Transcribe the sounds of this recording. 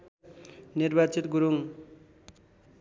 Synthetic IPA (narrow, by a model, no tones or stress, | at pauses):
nirbat͡sit̪ɡuɾuŋ